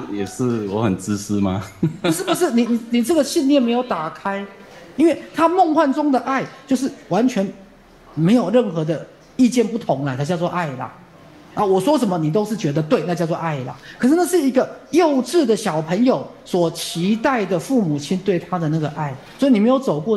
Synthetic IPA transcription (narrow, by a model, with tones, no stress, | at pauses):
jɛ˨˩ʂɻ̩˥˩wɔ˧˦xə˨˩nt͡sɹ̩˥s̩˥ma˨˧ʂɻ̩˥˩bə˩ʂɻ̩˥˩ni˨˩ni˨˩ni˨˩ʈ͡ʂə˥˩ɡə˩ɕi˥˧ni˥˧˨me˧˥ɪjo˨˩ʊt̪a˨˩kʰa˥ɪi˥nwe˥˩ɪt̪ʰa˥mo˥˧ŋxwa˥˩nʈ͡ʂʊ˥ŋd̪ə˨ʔa˥˩˨ɪt͡ɕjo˥˧ʊʂ̬ɻ̩˥˩wa˧˦nt͡ɕʰɥɛ˧˥n | me˧˥ɪjo˨˩ʊɻə˥˩nxɤ˧˥d̪ə˧ | i˥˧t͡ɕjɛ˥˧npu˥˩t̪ʰʊ˧˥ŋlə˧˦t̪ʰa˥t͡ɕjt͡swɔ˥˧ʔa˥˩ɪlə̰˩ | na˥˩wɔ˨˩ʂwɔ˥ʂə˨˩nmə˦ni˨˩t̪̬o˥ʊʂɻ̩˥˩t͡ɕɥɛ˧˥d̪ə˧t̪we˥˧ɪna˥˧t͡ɕjt͡swɔ˥˧ʔa˥˩ɪlə̰˩kʰɤ˨˩ʂ̬̩˥˩na˥˧ʂ̬ɻ̩˥˩i˧˦˥ɡə˧jo˥˧ʊʈ͡ʂ̩˥˩d̪ə˨˩ɕjɑ˨˩ʊpʰə˧˥ŋjo˨˩ʊ | swɔ˨˩t͡ɕʰi˧˥t̪a˥˩ɪd̪ə˩fu˥˩mu˨˩t͡ɕʰi˥nt̪we˥˩ɪt̪ʰa˥d̪ə˨na˥˩ɡə˩ʔa˥˩ɪswɔ˧˥i˨˩ni˨m˧˥jo˨˩ʊt͡so˨˩ʊkwɔ˥˩